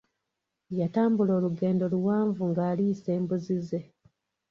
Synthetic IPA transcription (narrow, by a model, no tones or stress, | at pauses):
jataːmbulo̞ːluɡe̞ːndo̞luwaːɱvuŋɡaːliːse̞ːmbuzize̞